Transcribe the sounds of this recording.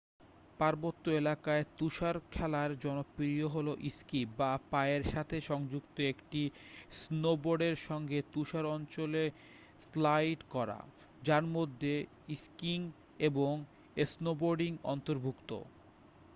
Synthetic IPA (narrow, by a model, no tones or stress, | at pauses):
paɾbot̪ːoelakaet̪uʃaɾkʰɛlaɾd͡ʑɔnobːiɾijoɦoloʔiskibapaeɾʃat̪ʰeʃɔŋd͡ʑukt̪oekʈisnoboɾɖeɾʃɔŋɡet̪uʃaɾɔnt͡ɕole | slajʈkɔɾa̰ | d͡ʑaɾmod̪ʱːe | iskiŋ | eboŋ | esnoboɾɖiŋɔ̰nt̪oɾbʱukt̪o̰